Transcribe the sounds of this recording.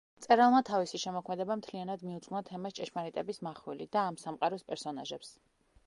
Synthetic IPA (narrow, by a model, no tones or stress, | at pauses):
t̪sʼɛɾalˠmat̪ʰavisiʃɛmɔkʰmɛd̪ɛbamt̪ʰlianad̪miut̪sʼqʼnat̪ʰɛmast͡ʃʼɛʃmaɾit̪ʼɛbismaχwilid̪aːmsamqʼaɾɔspʼɛɾsɔnaʒɛps